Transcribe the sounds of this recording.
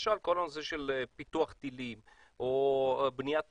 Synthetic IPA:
ʃalkolanseʃelpit̪uaχt̪ilim | ʔobnijat̪̚

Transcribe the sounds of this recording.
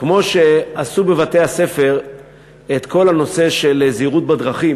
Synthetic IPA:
kmo̞ʃe̞asube̞vat̪e̞hase̞fe̞ʁ | et̪ko̞lhano̞se̞ʃe̞leziʁut̪̚bad̪ʁaχi

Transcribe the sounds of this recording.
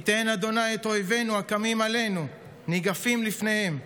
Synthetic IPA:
it̪enad̪o̞najet̪o̞jve̞nuakamimale̞nu | niɡafimlifne̞he̞m

